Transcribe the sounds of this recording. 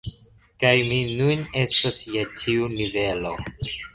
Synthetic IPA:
kajminune̞stasjetʰiunive̞lo̞̰

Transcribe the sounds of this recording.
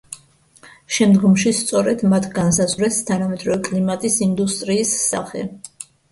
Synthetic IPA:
ʃɛmd̪ɡɔmʃist̪sʼɔɾɛd̪mat̪ʰɡansazvɾɛst̪ʰanamɛd̪ʼɾɔvɛkʼlimat̪ʼisind̪ust̪ʼɾiːsːa̰χɛ̰

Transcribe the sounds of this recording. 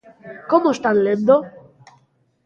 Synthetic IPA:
komoest̪anlend̪o

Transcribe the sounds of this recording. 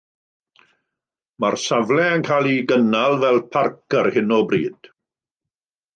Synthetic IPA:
marsavlɛənkʰaːlˠiɡənalˠvɛlˠpʰarkʰərhɪnɔbriːd̥

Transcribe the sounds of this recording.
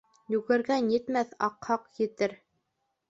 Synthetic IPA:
jʉɣɘ̆ɾɡænjɘ̆t̪mæθɑqhɑqjɘ̆t̪ɘɾ

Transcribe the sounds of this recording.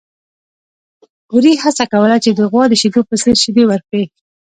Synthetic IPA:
uɾihasakawəlat͡ʃed̪əɣwɑd̪əʃid̪opəsəɾʃid̪ewəɾke

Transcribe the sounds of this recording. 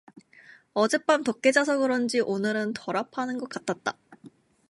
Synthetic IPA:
ʌd͡ʑe̞p͈amtok̚k͈e̞d͡ʑas̬ʰʌɡɯɾʌnd͡ʑiʔonɯɾɯntʌɾapʰanɯnɡʌk͈at͈ʰat̚t͈a

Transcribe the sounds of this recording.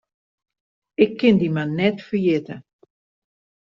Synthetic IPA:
ɪkʰːɪndimanːɛtfəjɪtə

